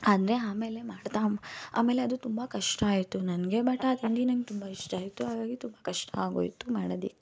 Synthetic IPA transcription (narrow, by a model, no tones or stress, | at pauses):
aːd̪ɾe̞aːme̞ːlemaːɽt̪aːma̰ːme̞ːleɐd̪ut̪umbɐkɐʂʈɐaːjit̪ːunɐnɡebaːʈːaːd̪ind̪inɐŋɡet̪umbaiʂʈaːjt̪ːuɦaːʋaːɡit̪umbɐkɐʂʈɐaːɡo̰ːjt̪ːumaːɽod̪ḭkːe